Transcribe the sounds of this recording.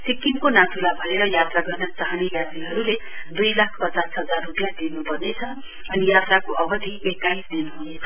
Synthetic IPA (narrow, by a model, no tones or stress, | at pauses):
sikimkonat̪ʰulabʱʌeɾʌjat̪raɡʌrnʌt͡sʌɦaniɡad͡ziɦʌɾule | d̪ujlakʰpʌt͡sasɦʌd͡zarːupjad̪inupʌrnet͡sʰʌ | ʌnijat̪rakoʔʌbʌd̪ʱiekaisd̪inɦunet͡sʰʌ